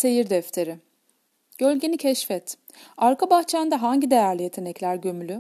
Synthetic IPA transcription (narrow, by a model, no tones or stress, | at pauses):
se̞jiɾd̪ɛft̪ʰe̞ɾɪ | ɟ̥ø̞lʲɟe̞nicʰɛʃfɛt̪ | aɾkʰabaxt͡ʃʰand̪aɦaɲɟid̪e̞jæɾlʲijet̪ʰe̞nɛclʲæɾɟømylʲy